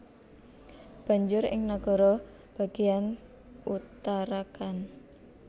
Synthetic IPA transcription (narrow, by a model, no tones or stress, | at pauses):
b̥ä̤ɲd͡ʒʊɾɪ̰ŋnaɡ̥ɔ̤ɾɔ | b̥a̤ɡ̥ejan | ut̪aɾakan